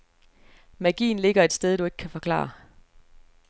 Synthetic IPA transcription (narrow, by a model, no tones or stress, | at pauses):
mæɡ̥ḭːnle̝ɡ̥ɐe̝d̥sd̥eð̞ˠd̥ue̝ɡ̥̚kʰæfɒ̽kʰlɑ̰̈ː